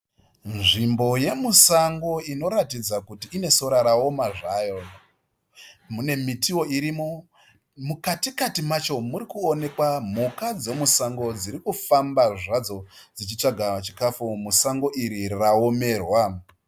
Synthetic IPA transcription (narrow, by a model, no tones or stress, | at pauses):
nʐimbo̞je̞musaŋɡo̞ino̞ɾatid͡zakutiːne̞so̞ɾaɾao̞maʐaːjo̞ | mune̞mitʰiwo̞iɾimo̞ | mukatikatimat͡ʃo̞muɾikuone̞kwam̤ukad͡ze̞musaŋɡo̞d͡ziɾikufambaʐad͡zo̞d͡zit͡ʃit͡ʂaɡʱat͡ʃikafumusaŋɡo̞ʔiɾirao̞me̞ːrwa